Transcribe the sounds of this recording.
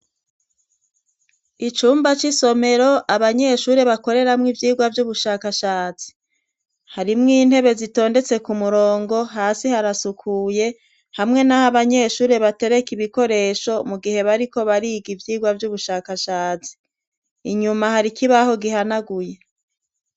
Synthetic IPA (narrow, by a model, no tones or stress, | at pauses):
it͡ʃuːmbat͡ʃiso̞me̞ɾo̞ʔaβaɲe̞ːʃuːɾe̞βako̞ɾe̞ɾamŋivjiːɡwavjuβuʃaːkaʃaːt͡si̥ | haɾimŋiːn̥he̞βe̞zito̞ːnde̞t͡se̞kumuɾoːŋɡo̞ɦaːsihaɾasukʰuːje̞ | hamŋe̞nahaβaɲe̞ːʃuːɾe̞βate̞ɾe̞kiβiko̞ɾe̞ːʃo̞muɡihe̞βaɾiko̞βaɾiːɡivjiːɡwavɟuβuʃaːkaʃaːt͡si̥ː | ɲumaɦaɾikʰiβaho̞ɡiɦanaɡuje̞